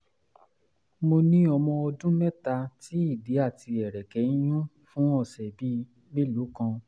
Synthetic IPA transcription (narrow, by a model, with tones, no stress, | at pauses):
mo˧nĩ˦ɔ˧mɔ̃˧ɔ˧dũ˦mɛ˦ta˧ti˨˦i˦˨de˨˦a˦˨ti˧ɛ˨ɾɛ˨kɛ˨˦j̃ũ˦ | fũ˦ɔ˦˨sɛ˨bi˦ | me˦lu˨˦kã˧